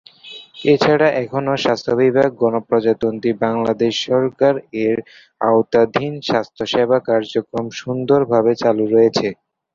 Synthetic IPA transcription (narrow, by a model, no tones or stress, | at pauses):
et͡ɕʰaɽaʔɛkʰonoʃast̪ʰobʱibʱaɡ̚ɡɔnopɾɔd͡ʑat̪ont̪ibaŋlad̪eʃːɔɾkaɾeɾ | a̰owt̪ad̪ʱinʃast̪ʰoʃebʱakaɾd͡ʑokɾomʃund̪oɾbʱabet͡ɕaluɾɔjet͡ɕʰe